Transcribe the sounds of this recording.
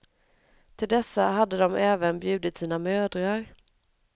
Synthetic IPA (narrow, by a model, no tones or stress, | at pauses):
t̪ʰɪld̪ɛsːaɦad̪ːəd̪ɔmɛːvənbjʉ̟ːd̪ɪt̪siːnamœːd̪ɾaɾ